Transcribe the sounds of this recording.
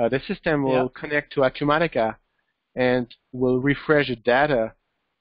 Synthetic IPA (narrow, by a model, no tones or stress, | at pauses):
ðɨsɪstɨ̃mwɪllˠkʰɨnɛk̚tʰəatʰɨmæɾɨkə | ɨ̃n | wɪlˠɹifɹɛʃɨdeɾə